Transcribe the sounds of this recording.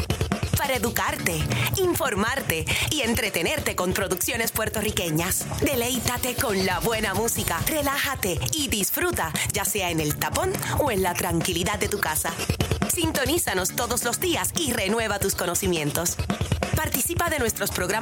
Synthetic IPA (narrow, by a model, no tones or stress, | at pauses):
paɾaeðukaɾt̪e̞iɱfo̞ɾmaɾt̪e̞ie̞nt̪ɾe̞t̪e̞ne̞ɾt̪e̞ko̞mpɾo̞ðuksjo̞ne̞spwe̞ɾt̪o̞rike̞ɲasd̪e̞le̞jt̪at̪e̞ko̞nlaβwe̞namusikare̞lahat̪e̞iðisfɾut̪ad͡ʒase̞ae̞ne̞lt̪apo̞noe̞nlat̪ɾaŋkiliðad̪d̪ːe̞t̪ukasasint̪o̞nisano̞st̪o̞ðo̞slo̞zd̪iasire̞nwe̞βat̪usko̞no̞simjẽ̞nt̪o̞spaɾt̪isipaðe̞nwe̞st̪ɾo̞spɾo̞ɣɾa